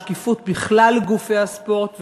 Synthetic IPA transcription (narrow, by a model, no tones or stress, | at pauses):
kifut̪̚biχlalɡufeaspo̞ʁt̪v